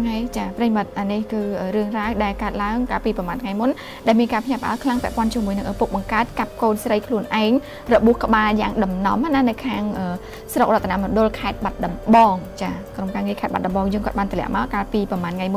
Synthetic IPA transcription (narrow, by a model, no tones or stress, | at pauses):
ŋajt͡ɕaːprəjimɨt̪̚ʔanihkɨːʔəːɾɨəŋraəhɗaɛlkaət̪̚laəŋkaːlpiːpɑmaːnt̪ʰŋajmun | ɗaɛlmiənkaːpʰɲapə̆ʔa̰əlkʰlaŋpɛ̆əʔpŏənt͡ɕiəmuəjnɨŋʔəːpuk̚ɓɑŋkaət̪̚kap̚koːnsrəjkʰluənʔaɛŋ | rɔɓuəhkə̆ɓaːljaːŋɗɑmnɑ̰mːananɨwkʰaːŋʔəː | srok̚rŏət̪ʰːanaʔmŏənɗʊ̆lkʰaɛt̪̚ɓat̪̚ɗɑmɓɑːŋt͡ɕaːkromkaːŋiəkʰaɛt̪̚ɓat̪̚ɗɑmɓɑːŋjəːŋkoɔət̪̚ɓaːnt̪ʰlɛ̆əʔmaɔkaːlpiːpɑmaːnŋajmʊ